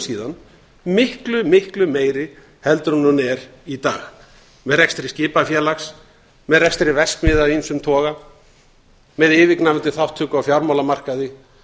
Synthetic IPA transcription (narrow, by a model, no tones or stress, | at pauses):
siːðan | mɪhklʏmɪhklʏmeːjɾɪ | hɛlt̪ɾunːunɛɾit̪a̰ːɣ | mɛðrɛkst̪ɪɾɪscɪːpafjɛːlaxs | mɛðrɛkst̪ɾɪvɛsk̪mɪːðainsʏmt̪ʰɔːɣa | mɛðɪːvɪknaɛnt̪ɪθawht̪ʰːʏːkawfjawɾmawlamar̥kaðɪ